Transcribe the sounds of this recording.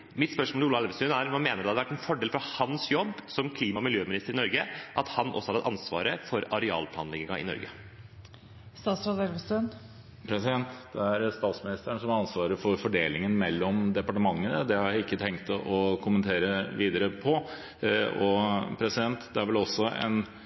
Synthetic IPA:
mɪt̪spœʂmoluːlɑɛlʋəst̪ʉnæɾmɑnmeːnəɖd̪ɛhɑd̪ɛʋæʈːɛnfɔɖeːlfɾɑhɑnsjɔbːsɔmkʰliːmɑɔmɪljøːmɪnɪst̪əɾɪnɔɾɡəʔɑt̪hɑnʔɔ̰sɔhɑd̪ɑt̪ɑnsʋɑ̰ːɾəfɔɾɑɾɛɑ̰ːlpʰlɑ̰ːnlɛɡɪŋɑɪ̰nɔ̰ɾɡə̰ | st̪ɑːt̪sɾɑd̪ɛɾʋəst̪ʉn | pʰɾɛsɪd̪ɛnt̪d̪̥ɛæɾst̪ɑːt̪smɪnɪst̪əɳsɔmɑnsʋɑːɾəfɔɾfɔɖeːlɪŋənmɛlːɔmd̪ɛpɑʈəmɑŋːənəd̪ɛhɑɪkːət̪ʰɛŋkt̪ɔkʰʊmənt̪ʰeːɾəʋiːd̪əɾəpʰɔ | ɔpʰɾɛsɪd̪ɛnt̪d̪ɛæɾʋɛlɔsːɔɛ̰n

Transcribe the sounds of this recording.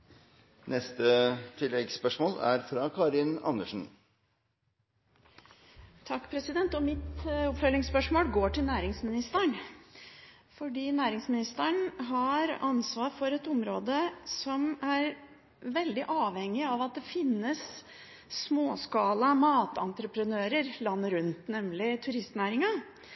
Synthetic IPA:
nɛst̪ət̪ʰɪlːɛɡspœʂmoːlæ̰ɾfɾɑkʰɑːɾɪnɑ̰nːəʂn̩ | t̪ʰɑkːpʰɾɛsɪd̪ɛnt̪ɔmɪt̪ʊpfœlɪŋspœʂmoːlɡoːʈɪlnæːɾɪŋsmɪnɪst̪əɳ | fɔɖiːnæːɾɪŋsmɪnɪst̪əɳɦɑɾɑnsʋɑːɾfɔɾɛt̪ʊmɾoːd̪əsɔmæɾ | ʋɛld̪ɪʔɑːʋhɛŋːɪɑʋɑt̪̚d̪ɛfɪnːəsː | moːskɑːlɑmɑːt̪ɑ̰nt̪ɾəpɾənøːɾəɾlɑnːəɾʉnt̪nɛmlɪt̪ʰʉɾɪst̪næːɾɪŋɑ

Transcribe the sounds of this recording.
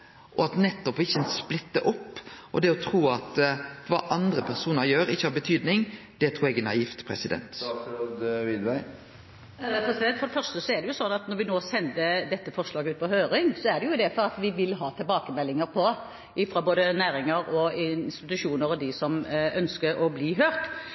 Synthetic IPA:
ʔɔɑt̪nɛt̪ːɔpɪçːəɛnsplɪt̪ːəʔɔpːʔɔd̪ɛɔt̪ʰɾuːɑt̪ʋɑ̰ːʔɑnd̪ɾəpʰæɾsuːnəɾjøːɾɪçːəhɑɾbət̪ʰyːd̪nɪŋ | d̪̥ɛt̪ʰɾuːɛɡɛnɑ̰ift̪pʰɾɛ̰sɪd̪ɛ̰nt̪ɔd̪ʋɪd̪ʋæɪ | pʰɾɛsɪd̪ɛnt̪fɔɾd̪ɛfœɾstəsɔæɖ̪ɛjʊsɔnːɑt̪nɔɾʋɪnoːsɛnd̪əd̪ɛt̪ːəfɔʁʂlɑːɡəʉːt̪̚pɔɦøːɾɪŋsɔæɖ̪ɛjʊd̪ɛfɔʁɑt̪ʋɪʋɪlɦɑːt̪ʰɛlbɑːkəmɛlːɪŋəɾpʰɔ | ʔɪfɾɑboːd̪ənæːɾɪŋəɾɔɪnst̪ɪt̪ʉʂuːnəɾɔd̪ɪsɔmœnskəɾɔbliːɦøːɾt̪

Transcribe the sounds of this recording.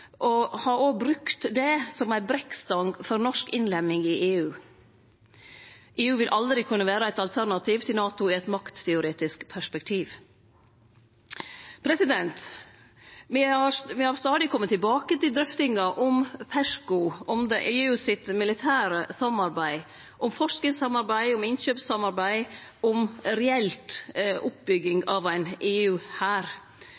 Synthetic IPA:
ʔɔhɑɾoːbɾʉkt̪d̪ɛsɔmæɪbɾɛkst̪ɑŋfɔɾnɔʂkɪnlɛmɪŋɪʔeːʉː | ʔeːʉːʋɪlʔɑld̪ɾɪkʰʉnːəʋæːɾəæɪt̪ɑlt̪ʰæɾnɑt̪ʰiːʋt̪ʰɪlnɑːt̪ʊɪɛɪt̪mɑkt̪ʰːɛʊɾeːt̪ɪskpʰæʂpɛk̚t̪ʰiːʋ | pʰɾɛsɪd̪ɛnt̪ | mɪɑʋɪhɑɾst̪ɑːd̪ɪkʰɔmːət̪ːɪlbɑːkət̪ɪld̪ɾœft̪ɪŋɑʔɔmpʰæʂkʊʔɔmd̪ɛʔeːʉːsɪt̪mɪlɪt̪ʰæːɾəsɑmɑɾbæɪ | ʔɔmfɔʂknɪŋsɑmɑɾbæɪɔmɪnçøːpsɑmɑɾbæɪɔmɾɛɛlt̪ʔʊp̚bʏɡɪŋɑʋæɪneːʉːhæːɾ

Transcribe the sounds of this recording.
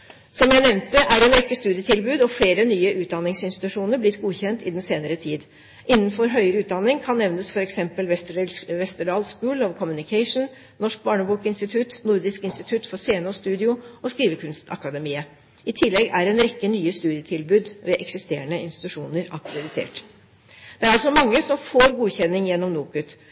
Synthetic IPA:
sɔmjæɪnɛʋnt̪əʔæɾɛːnɾɛkːəst̪ʉːd̪ɪət̪ʰɪlbʉːd̪ɔfleːɾənyːəʔʉːt̪̚d̪ɑnːɪŋsɪnst̪ɪt̪ʉʂuːnəɾblɪt̪ɡuːçɛnt̪ɪd̪ɛnseːnəɾət̪ʰiːd̪ | ɪnːənfɔɾɦœʏɾʉːt̪d̪ɑnːɪŋkʰɑnːɛʋnəsfɔɾɛksɛmpəllʋɛst̪əɖɑːlskʉːlɔʋkʰɔmʉnɪkʰɛɪʂn̩ | nɔʂk̚bɑːɳəbuːkɪnst̪ɪt̪ʰʉt̪nʊɾd̪ɪskɪnst̪ɪt̪ʰʉt̪fɔseːɛnuːst̪ʉːd̪ɪʊɔskɾiːʋəkʰʉnst̪ʰɑ̰kɑd̪əmiːə | ɪt̪ʰɪlːɛɡæɾɛnɾɛkːənyːəst̪ʉːd̪ɪət̪ʰɪlbʉːd̪ʋɛʔɛksɪst̪eːəɳəɪ̰nst̪ɪt̪ʉʂuːnəɾɑkɾɛd̪ɪt̪ʰḛːʈ | d̪̥ɛæɾɑlsɔmɑŋːəsɔmfoːɾɡuːçɛnːɪŋjɛnːɔmnuːkʉt̪

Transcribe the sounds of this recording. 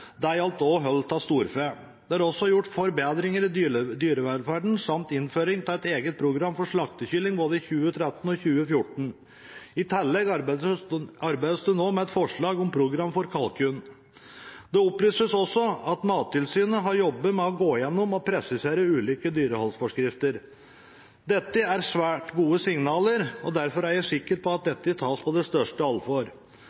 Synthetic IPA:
d̪ɛæɪɑlt̪oːɦœlt̪ɑst̪uːɾfeː | d̪ɛɑɾɔsːɔjʊʈːfɔɾbeːd̪ɾɪŋəɾɪd̪yːɾəʋæfæɖɳ̩sɑmt̪ɪnføːɾɪŋt̪ʰɪlɛt̪eːɡət̪̚pʰɾʊɡɾɑmːfɔʂɭɑkt̪əçʏlːɪŋboːd̪əɪçʉːət̪ʰɾɛt̪n̩ɔçʉːəfjʊʈɳ̩ | ɪt̪ʰɛlːɛɡ | ɑɾbæɪd̪əsd̪ʉnoːmɛɛt̪fɔʂɭɑːɡɔmpʰɾʊɡɾɑmfɔɾkʰɑlkʰʉn | d̪ɛɔplyːsəsɔsːɔɑt̪mɑːt̪ːɪlsyːnəɦɑɾjɔbːəmɛɔɡoːjɛnːʊmɔpʰɾɛsɪseːɾəʉːlʏːkəd̪yːɾəhɔlsfɔʂkɾɪft̪əɾ | d̪ɛt̪ːəæɾsʋæːʈɡuːəsɪŋnɑːləɾɔd̪æɾfɔɾæɾjæsɪkːəɾpʰɔɑt̪̚d̪ɛt̪ːət̪ʰɑːspʰɔd̪ɛst̪œʂʈəɑlfɔɾ

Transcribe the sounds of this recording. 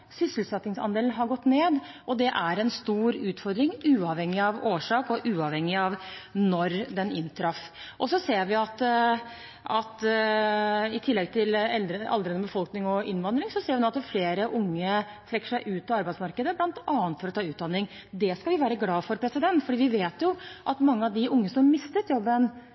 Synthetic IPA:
sʏsəl̩sɛt̪ːnɪŋsɑ̰nd̪eːln̩ɦɑɾɡɔt̪ːneːd̪ | ʔɔd̪ɛʔæɾɛnst̪uːɾʉːt̪fɔɾd̪ɾɪŋʉːɑʋhɛŋːɪɑʋoːʂɑːkɔʔʉːɑʋhɛŋːɪɑʋnɔɾd̪ɛnɪnːt̪ʰɾɑf | ʔɔsɔseːɾʋɪɑt̪ | ɑt̪ | ɪt̪ʰɪlːɛɡ̚t̪ʰɪlɛld̪ɾəɑ̰ld̪ɾənəbəfɔlknɪŋɔɪnʋɑnd̪ɾɪŋsɔseːɾʋɪnoːɑt̪d̪ɛfleːɾəʔʊŋːə | t̪ʰɾɛkːə̥ʂæɪʔʉːt̪̚pʰɔɑɾbæɪsmɑɾkəd̪əblɑnt̪ɑːənt̪fɔɾɔt̪ʰɑːʉːt̪d̪ɑnːɪŋ | d̪ɛskɑlʋɪʋæːɾəɡlɑːfɔɾpʰɾɛsɪd̪ɛnt̪fɔɖiːʋɪʋeːt̪jʊʔɑt̪mɑŋːəɑʋd̪ɪʔʊŋːəsɔmmmɪst̪ət̪jɔbːən

